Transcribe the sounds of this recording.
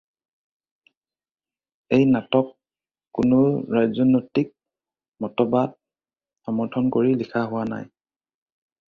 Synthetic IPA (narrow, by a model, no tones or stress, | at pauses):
ejnatɔkː | ʊnʊɹajzɔnojtik̚ | mɔtɔbat̚ | amɔɹtʰɔnkoɹilikʰaɦʊwana̰j